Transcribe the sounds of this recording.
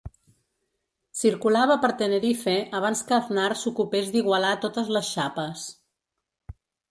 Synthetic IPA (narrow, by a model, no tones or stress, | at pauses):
siɾkulaβ̞əpəɾt̪ənəɾifeʔəβ̞anskəːðnaɾsukupezd̪iɣwəlat̪ot̪əzləsʃapəs